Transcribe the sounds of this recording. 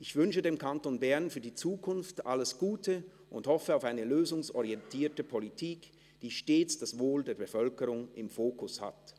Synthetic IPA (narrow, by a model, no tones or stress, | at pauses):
ʔɪçv̥ʏnʃədeːmkʰantonbɛɐnfyːɐdiːt͡suːkʰʊnftʔaləsɡ̥uːtʰə | ʔʊndthɔfəaʊfaɪnəløːzʊŋsɔʁiɛntʰiːɐtəpʰolitʰiːk | d̥iːʃteːt͡sd̥asvoːldeːɐbəfœlkəʁʊŋɪmfoːkʰʊsha̰t